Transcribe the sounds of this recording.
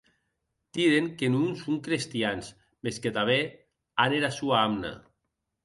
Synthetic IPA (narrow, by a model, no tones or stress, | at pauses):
t̪iɾeŋkenunsuŋkɾest̪janz | mesket̪aβ̞e | aneɾasuaamna̰